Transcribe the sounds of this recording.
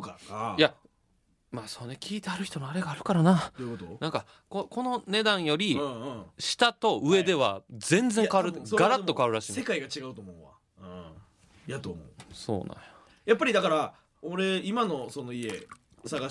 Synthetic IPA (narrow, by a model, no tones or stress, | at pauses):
kakaja | maːsoːnekʲʰiːt̪eaɾɯ̟çi̥t̪o̞moaɾe̞ɡaːɾɯ̟kaɾanaokot̪onãŋka | koko̞no̞ne̞d̪ãɰ̃jo̞ɾʲĩɕi̥t̪at̪o̞ɯ̟e̞d̪e̞βad͡zẽ̞nd͡ze̞ŋkaβaɾɯ̟t̪ːeoɡaɾat̪ːo̞kaβaɾɯ̟ɾaɕĩːsekaiɡat͡ɕiɡaɯt̪oːmõ̞βa̰ | ɯ̃ | jat̪oːmo̰so̞̰ːnã̰jo̥ | japːaɾʲid̪akaɾa | oɾe̞imano̞so̞no̞ie̞ | saɡa